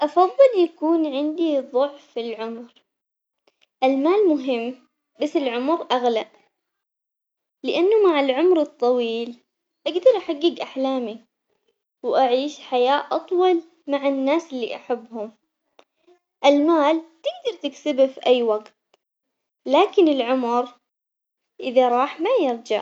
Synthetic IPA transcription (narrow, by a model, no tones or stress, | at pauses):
ʔɑfɑðˤːɨljakuːnʕɪnd̪iðˤʊʕfɪlʕʊmɾ | ʔɪlmaːlmʊɦɪmː | basːɪlʕʊmɾʔaɣlaʔ | lɪʔanːʊmaʕalʕʊmɾɨt̪ˤːɑwiːl | ʔaɡd̪ɑɾˤʔaħaɡːiːɡʔaħlaːmi | wʔaʕiːʃħajaːʔʔɑt̪ˤwɑl | maʕanːaːsɪlːḭːʔaħabːhʊm | ʔɪlmaːlt̪ɪɡ̚d̪ɑɾˤt̪ɪksɪbafiʔajːwaɡt̪ | laːkɪnɪlʕʊmɾ | ʔɪðaɾˤɑːħmajɪɾˤd͡ʒɪ̰ʕ